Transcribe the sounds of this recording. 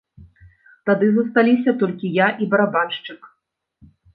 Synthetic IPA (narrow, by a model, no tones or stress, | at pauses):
t̪ad̪ɨzɐst̪alʲisʲɐt̪ɔlʲkʲijaʔibɐɾabanʂt͡ʂɨk